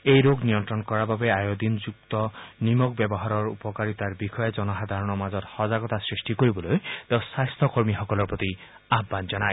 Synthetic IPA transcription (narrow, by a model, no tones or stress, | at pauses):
ejɾoɡnijɔnt̪ɾɹɔnkɔɹababeajod̪ʱind͡ʒuk̚t̪ɔnimɔkbjɛbɔɦaɾɔɹṵpɔkaɹit̪aɹbixʰɔjed͡ʒɔnɔɦad̪ʱaɾɔnɔmazɔt̪hɔzaɡɔt̪asɹisʈikoɹibɔlojt̪ewsajst̪ʰɔkoɹmixɔkɔlɔɹpɹɔt̪i | abːanzɔnaj